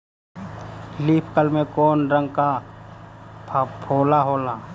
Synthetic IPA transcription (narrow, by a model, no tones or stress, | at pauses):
liːpʰkəlmẽkoːnɾə̃ŋɡka | pʰoːlaɦoːlaː